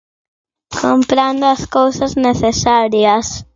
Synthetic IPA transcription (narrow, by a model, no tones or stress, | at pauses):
kʰompɾand̪oɐskowsɐzneθesaɾjɐs